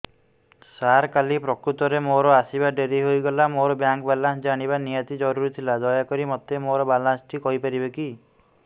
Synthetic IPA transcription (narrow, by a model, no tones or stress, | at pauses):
saɾkalipɾɔkɾut̪ɔɾemoɾɔasibaɖeɾiɦojɡɔlamoɾɔbjaŋkbalãnsd͡ʒaɽ̃ibanijɔt̪id͡ʒɔɾuɾit̪ʰilad̪ɔjakɔɾimɔt̪emoɾɔbalãnsʈʰikɔɦipaɾibeki